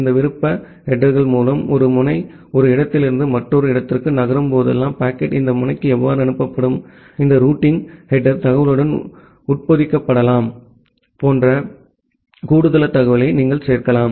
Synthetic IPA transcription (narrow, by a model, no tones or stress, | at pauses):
ɪnd̪ɐʋɪɾɯpːɐ | hɛʈːɐɾɣɐɭmuːlɐmɔɾɯmʊnɐɪ | ɔɾɯɪɽɐt̪ːɪlɪɾɯnd̪ɯmɐʈːɔɾɯɪɽɐt̪ːɪrkɯnɐɣɐɾɯmpoːðɛlːaːmpaːkːɛʈɪnd̪ɐmʊnɐɪkːɯɛʋːaːɾɯɐnɯpːɐpːɐɽɯm | ɪnd̪ɐɾuːʈːɪŋhɛɖːɐɾt̪ɐɣɐʋɪlɯɽɐn | ʊʈ̚pɐðɪkːɐpːɐɽɐlaːm | poːndrɐ | kuːɽɯðɐlɐt̪ːɐɣɐʋɪlɐɪniːŋɡɐɭseːɾkɐlaːm